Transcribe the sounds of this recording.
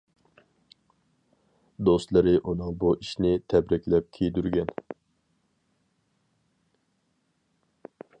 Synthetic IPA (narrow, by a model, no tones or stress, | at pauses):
d̪ost̪lˠɨɾɨʔunɨŋbuʔiʃnɪt̪ʰɛbɾɪkʲlɛp̚kʲʰejd̪yɾɡʲɛn